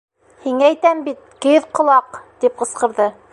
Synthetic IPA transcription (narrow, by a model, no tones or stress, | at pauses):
hiŋææjt̪æmbit̪̚kɘðqŏlˠɑqt̪ip̚qɤ̆sqɤ̆ɾðɤ